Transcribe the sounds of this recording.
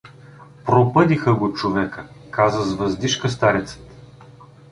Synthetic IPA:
pɾopɤd̪ixəɡot͡ʃovɛkə | kazəzvɐzd̪iʃkəs̬t̪aɾʲɛt̪sə̥t̪

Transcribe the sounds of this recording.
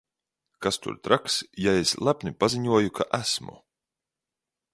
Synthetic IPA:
kast̪ṵɾt̪ɾaksjaeslˠapnipaziɲuɔjukʰaʔæsmṵ

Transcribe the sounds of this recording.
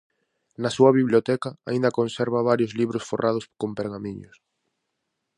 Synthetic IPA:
nɐsuɐβiβljot̪ɛkaaĩnd̪ɐkonsɛɾβaβaɾjozliβ̞ɾosforʔað̞ʊskompeɾɣamiɲʊ̰s

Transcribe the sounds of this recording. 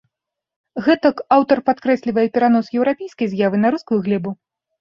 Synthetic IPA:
ɣɛt̪ɐkawt̪ɐrpat̪kɾɛsʲlʲivɐjɛpʲɛɾan̪ɔsjɛwɾapʲejskɐjzjavɨnɐɾuskujuɣlʲɛbu

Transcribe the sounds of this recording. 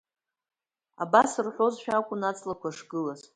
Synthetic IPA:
a̰basɨrħʷo̞zʃᶣakʷʼʊnat͡sʼlakʷʰaʂɡɨlaz

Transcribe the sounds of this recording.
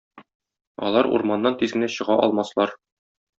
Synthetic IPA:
ɒ̰lˠɑɾṵɾmɑnːɑnt̪izɡɘ̆næɕɤ̆ʁɑʔɒ̰lˠmɑslˠɑɾ

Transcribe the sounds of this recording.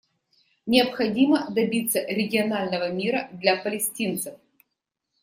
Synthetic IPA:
nʲɪɐpxɐdʲiməd̪ɐbʲit̪səɾʲɪɡʲɪɐnalʲnəvəmʲiɾəd̪lʲapəlʲɪsʲtʲint̪sɨf

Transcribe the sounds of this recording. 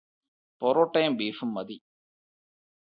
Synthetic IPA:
poɾoːʈːɐjmbiːʂumːɐd̪i

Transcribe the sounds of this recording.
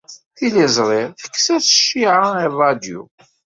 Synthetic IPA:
θilizˤɾˤɪɾθə̥kːsæθə̥ʃːiʕaiðˤɑd̪jṵ

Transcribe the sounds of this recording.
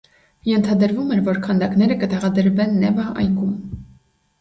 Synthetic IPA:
jɛnt̪ʰɑd̪əɾvumɛɾvɔɾkʰɑnd̪ɑknɛɾəkət̪ɛʁɑd̪əɾvɛnːɛvɑɑ̰jkum

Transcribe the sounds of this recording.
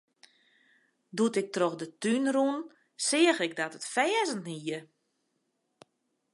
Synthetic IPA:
dutɪk̚troxdətynrun | sɪəɣɪɡ̚dɔtətfɛːzəntniə

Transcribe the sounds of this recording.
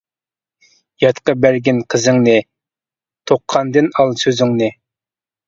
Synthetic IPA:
jɑt̪qɑbæɾɡʲinqʰəzɨŋnɪ | t̪ʰoqʰːɑnd̪ɨnɑlˠsøzyŋnɪ

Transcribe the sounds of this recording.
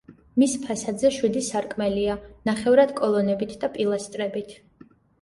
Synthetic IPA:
mispʰasad̪zɛʃwid̪isaɾkʼmɛlianaχɛvɾad̪̥kʼɔlˠɔnɛbit̪ʰd̪apʼilˠast̪ʼɾɛbit̪ʰ

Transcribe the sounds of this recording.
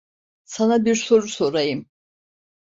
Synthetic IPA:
sanabiɾso̞ɾuso̞ɾajɯm

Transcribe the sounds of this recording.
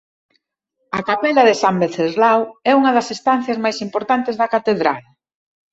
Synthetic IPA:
ɐkapɛlɐðesambeθezlawɛuŋɐðɐsest̪an̟θjɐzmajsimpoɾt̪ant̪ezðɐkat̪eðɾal

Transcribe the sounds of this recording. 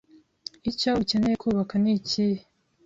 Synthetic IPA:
icauce̞nejekʰuːβakanicihe

